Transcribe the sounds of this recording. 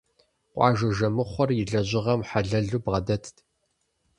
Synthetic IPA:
qʷʼɑ̰ːʒɐʒɐmɨχʷɔrjɪɮɐʑɪʁɐmħaɮɐɮuːbʁɐdɐtʰtʰ

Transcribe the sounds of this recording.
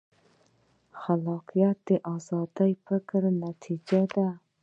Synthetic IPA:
χalɑqʰijat̪̚d̪ɪʔɑzɑd̪ajpʰɪkɾnat̪ʰid͡ʒad̪a

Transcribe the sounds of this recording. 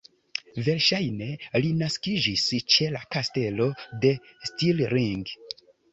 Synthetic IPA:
ve̞ɾʃajne̞linaskid͡ʒist͡ʃe̞lakaste̞lo̞de̞stilɾiŋɡ

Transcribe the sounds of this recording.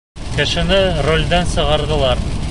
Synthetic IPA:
kɘ̆ʃɘ̆nɘrolʲd̪ænsɤ̆ʁɑɾðɤ̆lˠɑɾ

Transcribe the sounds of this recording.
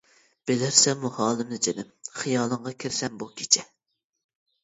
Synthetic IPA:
b̥elɪɾsɛmːuhɑːlˠɨmnɨd͡ʒenɪmχijɑːlˠəɴʁɑkʲʰɪɾsɛmbukʲʰe̥t͡ʃʰɛ

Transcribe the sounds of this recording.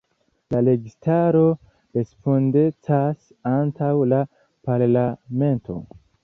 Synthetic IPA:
lale̞ɡistaɾo̞ | ɾe̞spondet͡sas | antawla | paɾlame̞ntʰo̞̰

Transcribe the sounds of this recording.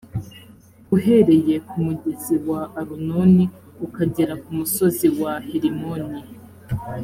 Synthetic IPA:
uɦe̞ɾe̞je̞kumuɟeziwaːɾunoni | ukaɟiɾakumuso̞ziwaheɾimoni

